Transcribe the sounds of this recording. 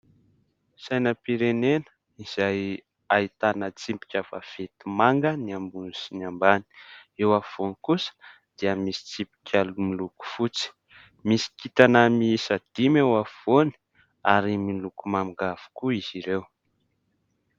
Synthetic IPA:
sajnəpiɾenenə̥ | iz̥aj | ait̪anət͡simpi̥kʲava̰v̥et̪imaŋɡəniambunisinambani̥ewafvonikusə̥ | d̪̥iəmisi̥t͡simpi̥kʲalumiluku̥fut͡si̥ | misi̥kit̪anəmisad̪̥imewavoni̥ | aɾimilukumamiɡav̥u̥kuiz̥iɾew

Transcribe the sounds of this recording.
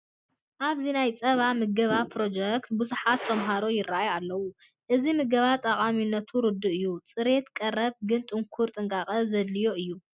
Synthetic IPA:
ʔaβzinajt͡sʼɐβamɨɡɐβapʰɾo̞d͡ʒɛk̚t̪buzuħat̪ʰːɐmɦaɾo̞jɪrːajalːɐwu | ʔɨzimɨɡɐβat̪ʼɐqʼaminːɐt̪ʰuɾɨd̪ːɨʔɨjːut͡sʼɨɾe̞t̪kʼɐrːɐβ̚ɡɨnt̪ʼɨŋkʰuɾt̪ʼɨŋkʼaχʼɐzɐd̪lijo̞ʔɨjːu

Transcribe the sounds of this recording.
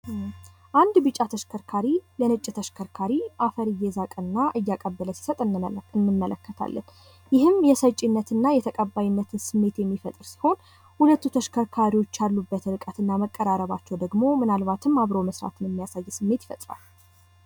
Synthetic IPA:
ʔand̪bɨt͡ʃʼːat̪ʰəʃkʰəɾkʰaɾilənɨt͡ʃʼːt̪ʰəʃkʰəɾkʰaɾiʔafəɾɨjːɛzakʼɨnːaʔɨjːakʼəbːələsi̥sət̪ʼɨnːɨmːələ̰kːət̪ʰa̰lːə̰n | jɪhɨmjɛsət͡ʃʼːinːət̪ɨnːajɛt̪ʰəkʼəbːajinːət̪ʰɨnsɨmːe̞t̪jɛmːifət̪ʼɨɾsi̥ho̞n | hulət̪ːut̪ʰəʃkʰəɾkʰaɾiwo̞t͡ʃːalːubːət̪ɾɨkʼət̪ɨnːaməkʼːəɾaɾəβat͡ʃːɛwd̪əɡmo̞mɨnalβat̪ʰɨmːaβɾowməsɾa̰t̪ʰɨnjɛmːijasajːsɨmːe̞t̪jɪ̥fət̪ʼɾa̰lː

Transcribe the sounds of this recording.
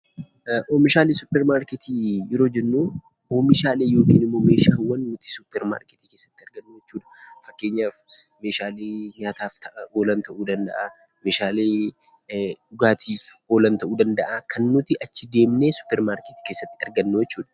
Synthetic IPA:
ʔoːmɪʃaːlesʊpːɛɾmaːɾkɛt̪ijɛɾo̞ːd͡ʒɛnːuː | oːmɪʃaːleːjo̞ːkiːnɪmːo̞ːmeːʃaːwːɐnnʊt̪ɪ̥sʊpːɛɾma̰ːɾket̪ike̞ːsːɐ̥t̪ːɪɐɾɡɐnːoːjɛt͡ʃːuːᶑ̪ɐ̥fɐkːe̞ːɲːaːf | me̞ːʃaːleːɲaːt̪aːft̪ɐoːlɐnt̪ʰɐʔuːd̪ɐnd̪ɐ̰ʔa | meːʃaːleː | ᶑʊɡaːt̪ʰiːfo̞ːlɐnt̪ɐʔuːd̪ɐnd̪ɐʔakʰɐnːʊt̪ɪʔɐt͡ʃːɪd̪e̞ːmnesʊ̥pːɛɾmaːɾkɛt̪i̥ke̞ːsːɐt̪ːɪɐɾɡɐnːojɛt͡ʃːuːᶑɐ̥

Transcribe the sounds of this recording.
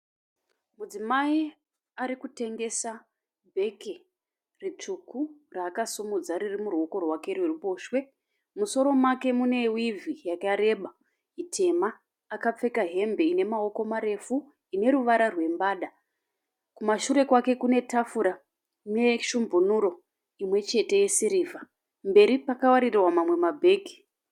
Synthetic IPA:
mud͡zimai | aɾikute̞ŋɡe̞sa | bʱe̞ke | rit͡ʂukuraːkasumud͡zaɾirimuruo̞ko̞rwake̞rwerupo̞ːʃwe̞ | muso̞ɾo̞mwake̞mune̞wivijakaɾe̞ɓa | itʰe̞maː | kap͡fe̞kaɦe̞mbe̞ine̞mao̞ko̞maɾe̞fu | ine̞ɾuʋaɾarwe̞mbaːɗa | kumaʃuɾe̞kwake̞kune̞tafuɾa | ne̞ʃumbʱunuɾo̞ | imwe̞t͡ʃe̞te̞je̞siɾiːvʱa | mbe̞ɾipakawaɾirwamamwe̞mabʱe̞ːɡʱi̥

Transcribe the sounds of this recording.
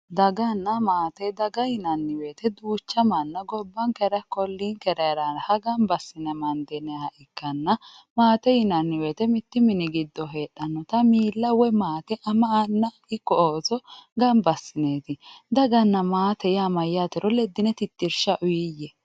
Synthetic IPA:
d̪ɐɡɐnːɐmaːt̪ɛd̪ɐɡɐjɪnɐnːɪwe̞ːt̪ɛd̪uːt͡ʃːɐmɐnːɐɡɔbːɐnkɛɾɐkɔlːiːnkɛɾɐɾɐnhɐɡɐmbɐsːɪnɛmɐnd̪ɛnɛɐʔɪkːɐnːɐ | maːt̪ɛjɪnɐnːɪweːt̪ɛmɪt̪ːɪmɪnɪɡɪd̪ːɔɦe̞ːɗːɐnːɔt̪ɐmiːlːɐwɛmaːt̪ɛʔɐmɐʔɐnːɐ | ɪkːɔʔoːsɔɡɐmbɐsːɪneːt̪ɪd̪ɐɡɐnːɐmaːt̪ɛjmɐjaːt̪ɛɾʔɔlɛd̪ːɪnɛt̪ɪt̪ːɪɾʃɐʔʊjɪjɛ

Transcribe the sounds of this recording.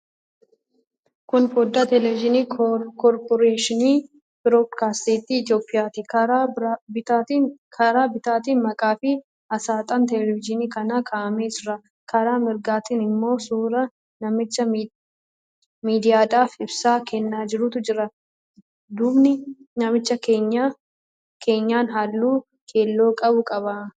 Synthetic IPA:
kʊnfod̪ːaːt̪ɛlɛvɪd͡ʒɪniːkɔɾpɔɾeːʃɪniː | b̥ɪɾoːd̪kaːst̪iːt̪ːiːt̪joːpʼːɪjaːt̪ɪɾ | kʰɐɾaːbɪt̪aːt̪iːnmɐkʼaːfɪ | ɐsaːt̪ʼɐnt̪ɛlɛvɪd͡ʒɪniːkɐnɐkʰaːʔɐmeːsɾɐ | kʰɐɾaːmɪɾɡaːt̪iːnɪmːo̞ːsuːɾɐ | nɐmɪt͡ʃːɐ | miːd̪ɪjaːᶑaːfɪbsaːkɛnːaːd͡ʒɪɾʊt̪ʊd͡ʒɪɾɐ | d̪ʊbnɪnɐmɪt͡ʃːɐkeːɲːa | kʰe̞ːɲːaːnɦalːuː | kʰe̞ːlːo̞ːkʼɐbʊkʼɐbɐ

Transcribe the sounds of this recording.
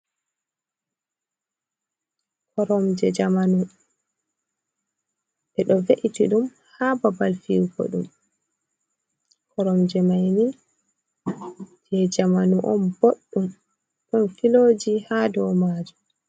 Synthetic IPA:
kʰɔɾɔmd͡ʒɛd͡ʒamanu | ʔɛɗɔveʔitiɗum | haːbabalfiwɡɔ̰ɗṵm | kʰɔɾɔmd͡ʒɛmajni | d͡ʒɛd͡ʒamanuʔɔmboɗːum | ɗɔnfiloːd͡ʒihadɔwmaːd͡ʒu

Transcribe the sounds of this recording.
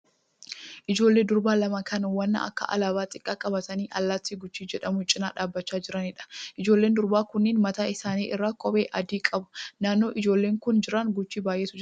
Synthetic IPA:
ʔɪd͡ʒo̞ːlːe̞ːd̪ʊɾbaːlɐmɐkʰɐnwɐnːɐ̰ɐ̰kːɐ̰ʔɐ̰laːbaːt̪ʼɪkʼːaːkʼɐbɐt̪ɐniːʔɐlːaːt̪ːiːɡʊt͡ʃːiːd͡ʒɛᶑɐmʊɪt͡ʃʼːɪna̰ːᶑaːbːɐt͡ʃːaːd͡ʒɪɾɐnɪᶑɐ̥ʔɪd͡ʒoːlːeːnd̪ʊɾbaːkʊnːɪːnmɐt̪aːɪsaːniːʔɪrːaːkʼɔbeːʔɐd̪iːkʼɐbʊ̥naːnːo̞ːʔɪd͡ʒo̞ːlːeːŋkʊnd͡ʒɪɾɐnɡʊt͡ʃːiːbaːjʔeːsʊd͡ʒ

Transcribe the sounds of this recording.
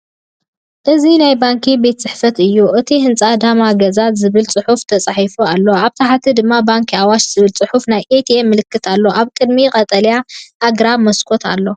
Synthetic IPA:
ʔɨzinajbaŋkʰibe̞t̪t͡sʼɨħfɐt̪ɨjːuʔɨt̪ʰihɨnt͡sʼad̪amaɡɐzat̪zɨβɨlt͡sʼɨħuft̪ʰɐt͡sʼaħifualːo̞aβt̪ʰaħat̪ʰid̪ɨmːabaŋkʰiawaʃz̥ɨβɨlt͡sʼɨħufnajet̪ʰiemːɨlɨkːɨt̪ʰalːo̞ʔaβkʼɨd̪miqʼɐt̪ʼɐljaʔːɡɾamɐskʰo̞t̪ʰa̰lːo̞

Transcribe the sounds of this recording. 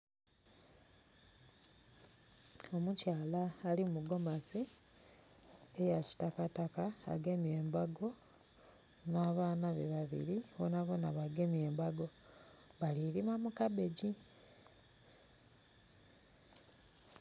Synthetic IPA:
o̞mucaːlaːliumuɡo̞masi | ejaci̥takataka̰ːɡe̞mje̞ːmbaɡo̞ | naːβaːnaβeβaβḭɾionaβonaβaɡe̞mje̞ːmbaɡo̞βaliɾimamukabe̞ɟi

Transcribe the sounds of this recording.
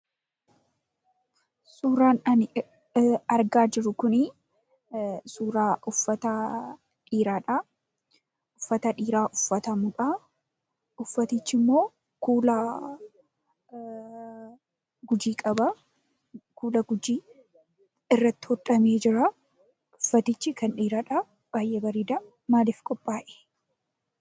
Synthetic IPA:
suːɾaːnɐn | ɐɾɡaːd͡ʒɪɾʊkʊnɪ | suːɾaːʔʊfːɐt̪ɐ | ᶑiːɾaːᶑɐ | ʔʊfːɐt̪ɐᶑiːɾaːʔʊfːɐt̪ɐmʊᶑa | ʊfːɐt̪it͡ʃːɪmːo̞ː | kuːlɐ | ɡʊd͡ʒiːkʼɐbɐ | kʰuːlɐɡʊd͡ʒiː | ɪrːɐt̪ːɪ̥hɔt̪ʼɐmeːd͡ʒɪɾɐ | ʊfːɐt̪ɪt͡ʃːɪkɐnᶑiːɾaːᶑɐ | b̥aːjʔːɛbɐɾiːd̪ɐ | maːlɪfkʼɔpʼːaːʔe̥

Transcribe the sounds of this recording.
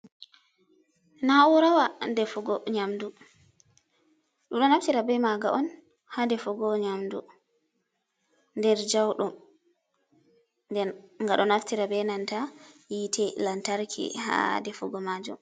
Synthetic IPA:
nawɔɾawandɛfɔɡɔɲamdu | ɗumɗɔnaftiɾabɛmaɡa̰ʔɔn | hadɛfɔɡɔɲamdu | ndɛɾd͡ʒawɗɔm | ndɛnŋɡaɗɔnaftiɾabɛnantajitʰɛlantaɾkʰḭha̰dɛfɔɡɔmad͡ʒṵm

